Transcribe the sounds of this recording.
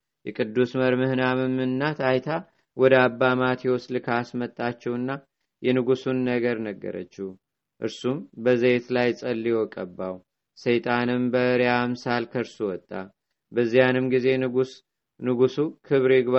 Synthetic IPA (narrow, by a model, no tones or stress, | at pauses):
jɛkʼɨd̪ːusməɾmɨhnamɨmːɨnːat̪ʰajt̪ʰa | wɔd̪əabːamat̪jɛwoslɨkʰasmət̪ʼːat͡ʃːɛwɨnːa | jɛnɨɡusunːəɡəɾnəɡːə̰ɾə̰t͡ʃːih | ʔɨɾsumbəzəet̪lajsʼəlːiwɔkʼəbːaw | sejt̪ʼanɨmbəɨɾjamsalkʰəɾsuwɔt̪ʼːa | bəzːijanɨmɡize̞ | nɨɡusukʰɨβɾɪɡβa